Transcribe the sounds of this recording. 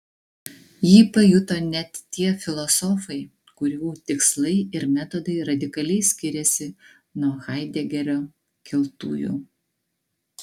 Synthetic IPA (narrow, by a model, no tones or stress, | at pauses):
jiːpɐjʊt̪oːnʲɛt̪ːʲiɛfʲɪlˠɔsɔfɐɪ | kʊɾʲuːt̪ʲɪkslˠɐɪɪɾmʲæt̪ɔd̪ɐɪɾɐd̪ʲɪkɐlʲɛɪsʲkʲɪɾʲɛsʲɪ | nuɔxɑˑɪd̪ʲɛɡʲɛɾʲoː | kʲɪlˠt̪ṵːjṵː